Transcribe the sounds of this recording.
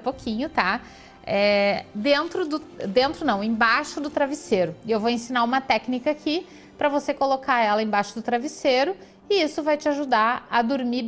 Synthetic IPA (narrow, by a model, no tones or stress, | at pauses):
pokʰĩɲʊt̪a | ɛd̪ẽnt̪ɾʊd̪ʊd̪ẽnt̪ɾʊnɐ̃w̃ẽj̃baʃʊd̪ʊt̪ɾaviseɾʊewvowẽsĩnaũmɐt̪ɛknikɐaki | pɾɐvosekolokaɛlɐẽbajʃʊd̪ʊt̪ɾaviseɾʊ | ɪisʊvajt͡ʃɪaʒud̪aɐd̪uɾmi